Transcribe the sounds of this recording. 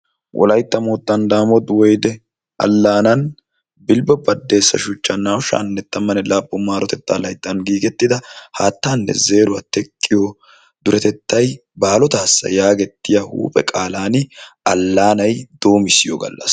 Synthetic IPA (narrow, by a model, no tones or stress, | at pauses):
wʔɔ̰lɐjt̪ːɐmoːt̪ːɐnd̪aːmɔd̪wɔjd̪ɛ | ɐ̰lːaːnɐn | bɪlbɛbɐd̪ːe̞ːsːɐ̰ʃʊt͡ʃːɐnːaːwʃa̰ːnːɛt̪ːɐmːɐnɛlaːpʼːʊmaːɾɔt̪ɛt̪ːaːlɐjt̪ːɐnɡiːɡɛt̪ːɪd̪ɐhaːt̪ːaːnːɛ̰ze̞ːɾʊɐt̪ɛkʼːɪjo | d̪̥ʊɾɛt̪ɛt̪ːɐjbaːlɔt̪aːsːɐ̰jaːɡɛt̪ːɪjɐhṵːpʼɛ̰kʼaːlaːnɐlːaːnɐjd̪̥o̞ːmɪsːɪjoɡɐ̰lːɐ̰s